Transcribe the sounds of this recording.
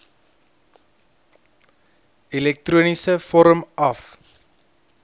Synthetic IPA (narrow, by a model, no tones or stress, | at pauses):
ilɛk̚truənisəfɔɾəmʔɐf